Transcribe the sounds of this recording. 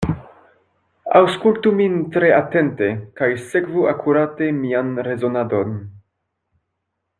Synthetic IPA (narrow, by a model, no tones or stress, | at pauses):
awskultumint̪ɾe̞ate̞nte̞kajsekvuakʰuɾate̞mianɾe̞zonado̞n